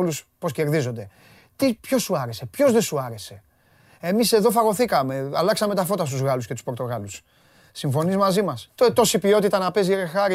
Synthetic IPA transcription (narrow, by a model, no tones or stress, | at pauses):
luspo̞sce̞ɾðizo̞nd̪e̞ | t̪ipço̞suɐɾe̞se̞pço̞zðe̞suɐɾe̞se̞ | emise̞ðo̞fɐɣo̞θikɐme̞a̰lɐksɐme̞t̪ɐfo̞t̪ɐst̪uzɣɐlusce̞t̪u̥spo̞ɾt̪o̞ɣɐlusː | iɱfo̞nizmɐzimɐst̪ot̪o̞sipio̞t̪it̪ɐnɐpe̞zeɾexɐɾi